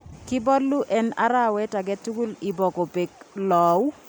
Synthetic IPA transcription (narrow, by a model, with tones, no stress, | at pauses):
kɪ˦bɔ˦lːu˦ʔɛ˦na̰˦ɾa˦˨wɛ˦ta˨ɡɛ˦tu˦ɡu˦lɪ˨bɔ˨ko˨pe˨klɔ˨w